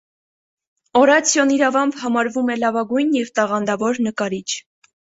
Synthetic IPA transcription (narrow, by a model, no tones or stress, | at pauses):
ɔɾɑt͡sʰjɔniɾɑvɑmpʰhɑmɑɾvumɛlɑvɑɡujnjɛvt̪ɑʁɑnd̪ɑvɔɾnəkɑɾit͡ʃʰ